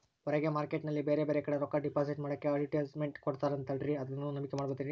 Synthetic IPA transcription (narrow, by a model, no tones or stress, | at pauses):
ɔɾeɡemaːɾkeʈnɐlːibeːɾebe̞ːɾekɐɽeɾoːkaɖipaːsiʈmaːɽɐkːeɐɭiʈeːlsmeɳʈkoɽt̪aːɾɐnt̪ɐɖɾiɐd̪ɐnːunɐmikemaːɽbot̪iɾi